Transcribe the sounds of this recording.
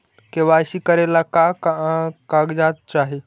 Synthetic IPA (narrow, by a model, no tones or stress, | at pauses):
kĩʋaəɕiːkəɾelakakaakaɡd͡ʑat̪̚t͡ʃaɦe